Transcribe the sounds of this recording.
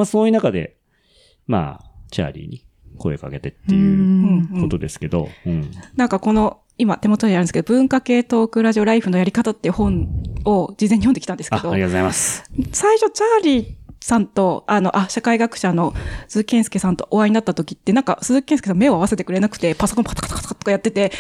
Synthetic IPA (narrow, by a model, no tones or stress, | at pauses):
masoːjɯːnakad̪e̞̰ | ma̰ːt͡ɕa̰ːɾʲḭɲ̟i | ko̞̰eka̰ke̞t̪e̞t̪ːejɯ̟ɯ̟̃ɴɯko̞t̪o̞d̪e̞sɨ̥ke̞d̪o̞̰ɯ̟̃nãŋkako̞no̞ | imat̪e̞mo̞t̪oɲiaɾɯ̟esɨked̪obɯ̟̃ŋkake̞ːt̪o̞ːkɯ̟ɾaʑio̞ɾaiɸɯ̟no̞jaɾʲikat̪at̪ːe̞iɯ̟hõ̞ɴo̞d͡ʑizeɲːijondeki̥tand̪e̞sɨ̥eoaɾiat̪ozaimasɨ̥saiɕo̞t͡ɕaːɾʲiːsãnt̪o̞ano̞ʔaɕakaiɡakɯ̟̥ɕano̞sɨːkʲẽ̞ɰ̃sɨ̥ke̞sãnt̪o̞ʔoβaiɲinat̪ːat̪o̞kʲit̪ːe̞nãŋka̰sɨkʲẽsɨ̥es̬ãme̞o̞aβ̞ase̞t̪e̞kɯ̟ɾe̞nakɯ̟̥t̪e̞paso̞kõmpat̪ḁkḁt̪ḁkḁt̪kat̪ːokːajat̪ːe̞t̪e̞